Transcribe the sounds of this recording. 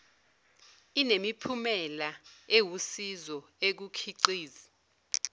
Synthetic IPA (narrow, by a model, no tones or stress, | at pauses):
inemipʰumɛlaewusizɔek̬ukʰiǃiːzi